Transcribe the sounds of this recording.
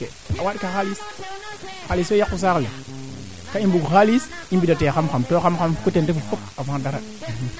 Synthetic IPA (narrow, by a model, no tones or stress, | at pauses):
e | awaɗkaxalis | xaliswejakːus̬aklḛ | kaimbuɡxalisimbidatejaxamxamtoxamxamkutendefufokavadaɾa